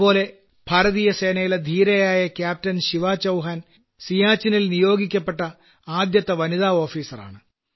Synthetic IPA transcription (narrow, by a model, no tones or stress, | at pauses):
po̞ːle̞ | b̥ʱaːɾɐðijɐse̞ːnɐjiled̪ʱiːɾɐjaːjɐkʲjaːp̚tɐnɕiʋaːt͡ɕɐwɦaːn | sijaːt͡ɕːinilnijo̞ːɡikʲːɐpːe̞ʈːɐ | aːd̪jɐt̪ːɐʋɐniðaːo̞ːfiːsɐra̰ːɳɨ